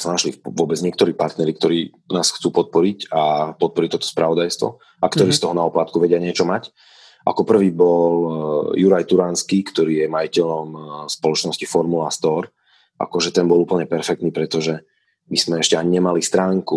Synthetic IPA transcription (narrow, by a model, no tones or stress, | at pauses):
sanaʃliʋʊɔbɛd͡zɲɪɛkt̪ɔɾiːpaɾt̪nɛɾik̚t̪ɔɾiː | naːsxt͡suːpɔt̪̚pɔɾicapɔt̪̚pɔɾiːt̪ɔt̪ɔ̥spɾaʋɔd̪ajst̪ʋɔ̰ | ʔakt̪ɔɾiːst̪ɔɦɔnaɔplat̪kuʋɛɟɪaɲɪɛt͡ʃɔmac | ʔa̰kɔpr̩ʋiːbɔljuɾajt̪uɾanskikt̪ɔɾiːjɛmajicɛʎɔmspɔlɔt͡ʃnɔscifɔɾmulast̪ɔɾ | ʔa̰kɔʒɛt̪ɛnbɔlupl̩ɲɛpɛɾfɛk̚t̪niːpɾɛt̪ɔʒɛ | miz̥mɛɛʃcɛaɲiɲɛmalist̪ɾaːŋku